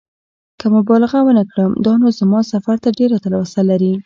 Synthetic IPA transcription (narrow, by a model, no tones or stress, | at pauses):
kəmʊbɑlɪɣawənakɽəmd̪ɑnozamɑsafaɾt̪aɖeɾat̪alwasalaɾi